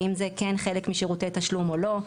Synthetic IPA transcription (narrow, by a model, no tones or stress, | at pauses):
imzekenχe̞lekmiʃeʁutetɐʃlumo̞lo̞